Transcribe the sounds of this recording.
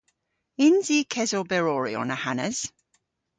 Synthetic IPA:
ɪnziːkʰɛzobɛɹɔːɹḭə̰nəhanəz̥

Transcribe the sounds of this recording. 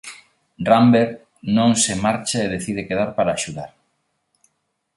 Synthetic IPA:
rambeɾ | nõŋsemaɾt͡ʃaeðeθið̞ekeðaɾpaɾaːʃuðaɾ

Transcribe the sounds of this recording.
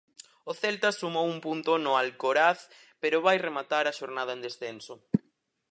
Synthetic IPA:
oθɛlt̪asumowumpunt̪ʊnʊalkoɾaθ | peɾʊβajremat̪aɾɐʃoɾnað̞ɐẽnd̪esθɛnso

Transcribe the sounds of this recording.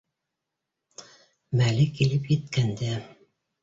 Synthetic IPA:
mælɘkilɘpjɘ̆t̪kænd̪æ

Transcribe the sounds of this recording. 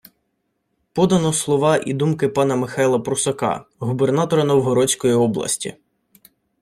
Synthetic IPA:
pɔd̪ɐnɔslˠɔʋɑʔḭd̪umkɪpɑnɐmɪxɑjlˠɐpɾʊsɐkɑ̰ɦubernɑt̪ɔɾɐnɔwɦɔɾɔt͡sʲkɔjiɔblˠɐ̰sʲtʲḭ

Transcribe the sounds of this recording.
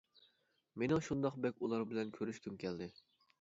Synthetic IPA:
menɪŋʃund̪ɑqbɛkʲulˠɑɾbɪlɛnkʲʰøɾyʃkʲʰymkʲʰɛld̪ɪ

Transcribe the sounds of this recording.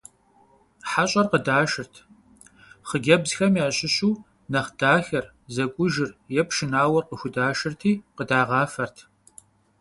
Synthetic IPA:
ħaɕʼɐrqədaːʃɪrtʰ | χəɡʲɐbzxɐmjaːɕʼɪɕuː | nɐχd̥aːxɐr | zɐkʷʼʊʒɪrjɛpʰʃɪnaːwɐrqəxʷʊdaːʃɪrtʰiːqədaːʁɑːfɐrtʰ

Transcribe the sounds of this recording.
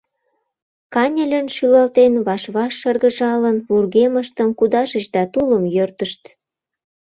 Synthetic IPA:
kɑnʲəlʲənʃylɑlt̪enβɑʃβɑʃːɤrɣə̆ʒɑlənβurɣeməʃt̪əmkud̪ɑʒə̆t͡ɕd̪ɑt̪uləmjørt̪əʃt̪

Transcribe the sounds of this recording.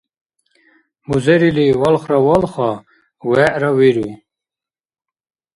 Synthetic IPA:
muzɛɾiliwɔlχɾɔwɔlχɑ | wɛʔɾɔwiɾu

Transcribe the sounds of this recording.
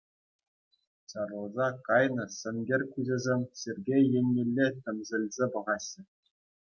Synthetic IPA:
ɕɑrlˠɤ̆zɑkɑjnɤ̆sʲɘ̆nɡʲerʲkʲuzʲɘ̆zʲemʲsʲerʲɡʲejenʲːĕlʲːet̪ʲɘ̆mzʲɘ̆lʲzʲepɤ̆ʁɑɕːɘ̆

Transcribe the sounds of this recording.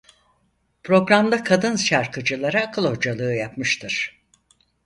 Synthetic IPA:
pʰɾo̞ɡɾamd̪akʰad̪ɯnʃaɾkɯd͡ʒɯlˠaɾaːkʰɯlˠho̞d͡ʒalˠɯːjapmɯʃt̪ʰɯɾ̥

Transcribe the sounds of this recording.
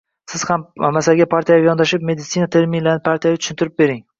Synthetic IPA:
sɪz̥hammasalɡʲapʰaɾt̪ʰijajajɒnd̪aʃɪp̚me̞d̪ɪt̪sinat̪ʰeɾmɪnlaɾnɪpʰaɾt̪ʰijavat̪ʰʊ̥ʃɪnt̪ʰɪɾɪp̚be̞ɾɪŋ

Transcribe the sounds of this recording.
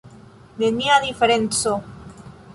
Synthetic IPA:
d̪eniaðifeɾent͡so

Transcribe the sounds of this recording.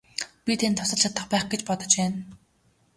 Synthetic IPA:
pʲit̪ʰent̪ʰʊ̥sə̆ɮt͡ɕʰat̪ə̆χpæːχɡet͡ɕpɔt̪ɞ̆t͡ɕpæːn

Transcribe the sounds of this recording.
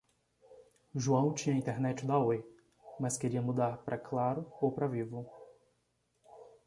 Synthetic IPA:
ʒuɐ̃w̃t͡ʃĩɲɐĩt̪eɾnɛt͡ʃɪd̪aoj | mɐskeɾiɐmud̪aɾpɾʔɐklaɾʊowpɾɐvivʊ

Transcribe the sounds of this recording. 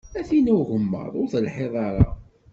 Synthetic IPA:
æθinæʝəmːə̰ðˤʊɾθəlħeðˤɑɾˤɑ̰

